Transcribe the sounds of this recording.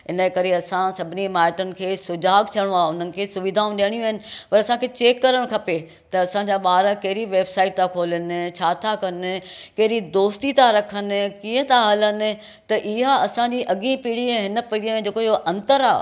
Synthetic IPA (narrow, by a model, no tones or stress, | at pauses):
ɦɪnəkɐɾeɐsãsɐbʱɪnimaːʈənɪ̆kʰeːsʊd͡ʑaːɡ̚t̪ʰijəɽ̃oaːeʊn̤ənɪ̆kʰeːsʊʋid̪ʱaːũɗijəɽ̃ijũaːɦɪnɪ̆pɐɾɐsãkʰeːt͡ɕeːkːɐɾəɽ̃kʰɐpe | t̪ɐːsãɲd͡ʑaːɓaːɾakɐɦɪɾiʋeːbsaːɪʈ̚t̪ʰakʰoːlənɪ̆t͡ɕʰaːt̪ʰakɐnɪ̆kɐɦɪɾid̪oːst̪it̪ʰaɾɐkʰənɪ̆kiːə̃t̪ʰaɦɐlənɪ̆ | t̪ɐʔɪɦaɐsãd͡ʑiʔɐɠĩpiːɽ̤iẽɦɪnə̆pɐɽiəmẽd͡ʑeːkoijoʔɐ̃nt̪əɾa̰ː